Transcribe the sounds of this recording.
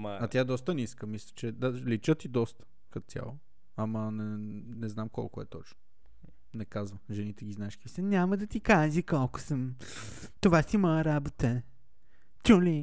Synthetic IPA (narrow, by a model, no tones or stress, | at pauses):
ɐt̪jaɛd̪ɔst̪əniskəmislʲə̥t͡ʃɛd̪alit͡ʃət̪id̪ɔst̪ə̥ | kɐt̪ʲja̰lˠo | ɐmənɛ | nɛznamkɔ̰lˠkʊɛ̰t̪ɔ̰t͡ʃno | nɛkazvəʒɛnit̪ɛɡʲiznaɛʃkisɛnʲaməd̪ɐt̪ikaʒikɔlˠkʊ̥səm | t̪ovasimɔjəɾabot̪ə | t͡ʃuli